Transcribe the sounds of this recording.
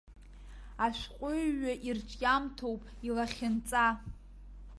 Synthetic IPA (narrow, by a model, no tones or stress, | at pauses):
aʃʷᶣqʷʼʊɥaʔirt͡ʃʰʼjamtʰowpʼilaχʲɪnt͡sʼa